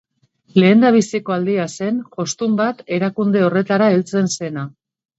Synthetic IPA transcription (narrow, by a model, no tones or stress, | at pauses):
le̞ːnd̪aβ̞isiko̞ald̪iase̞nʝo̞st̪umbat̪e̞ɾakund̪e̞o̞re̞t̪aɾaelt͡se̞nse̞na